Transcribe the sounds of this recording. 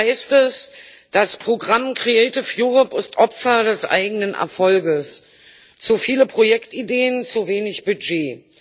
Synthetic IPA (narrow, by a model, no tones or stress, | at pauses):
aɪstɛs | d̥aspʁ̥oɡʁamkʁ̥iɛɪtɪfjuːʁɔpɪstʔɔpfɐdɛsʔa̰ɪɡənənʔɛ̰ɐfɔlɡəs | t͡sufiːləpʁ̥ojɛktideːənt͡suveːnɪçb̥yd͡ʒeː